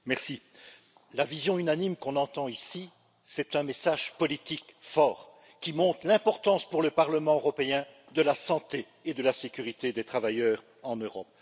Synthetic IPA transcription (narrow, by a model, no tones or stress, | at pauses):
mɛʁsi | lavizjɔ̃ynanimkɔ̃nɑ̃t̪ɑ̃isi | sɛt̪ɛ̃mesaʒpɔlit̪ikfɔːʁ | kʲimɔ̃t̪χlɛ̃pɔʁt̪ɑ̃spuʁləpaʁləmɑ̃øʁɔpeɛ̃ | d̪əlasɑ̃t̪eː | d̪əlasekʲyʁit̪ed̪et̪χavajœːʁ | ɑ̃nøʁɔp̚